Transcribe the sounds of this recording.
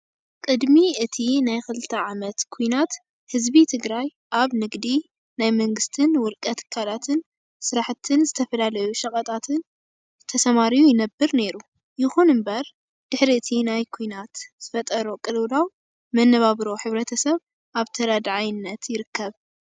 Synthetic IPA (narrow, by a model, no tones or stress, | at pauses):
kʼɨd̪miɨt̪ʰinajxɨlɨt̪ʰɐʕamɐt̪kʰujnat̪ | hɨzbit̪ʰɨɡɾaj | ʔaβnɨɡd̪i | najmɐŋɡɨst̪ʰɨnwʊlkʼɐt̪kʰalat̪ʰɨn | sɨɾaħt̪ʰɨnzɨt̪ʰɐfɐlalɐjuʃɐkʼɐt̪ʼat̪ʰɨn | t̪ʰɐsɐmaɾijujɪnɐbːɨɾne̞ɾu | jɪxunɨmbɐɾ | d̪̥ɨħɾiɨt̪ʰinajkʰujnat̪z̥ɨfɐt̪ʼɐɾokʼɨlwd̪aw | mɐnːɐβaβɾo̞ħɨβɾɐt̪ʰɐsɐβ | ʔaβt̪ʰɐɾad̪ʕajɪnːɐt̪jɪɾɨkʰːɐβ